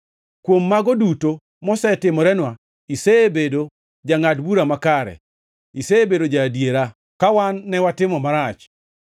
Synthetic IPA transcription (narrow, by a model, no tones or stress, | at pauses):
kwomːaɡɔduto | mɔsɛtɪmɔɾɛnwa | isebedo | d͡ʒaŋadbuɾamakaɾɛ̰ | iseːbedod͡ʒadjeɾa | kawanːɛwatɪmɔmaɾat͡ʃ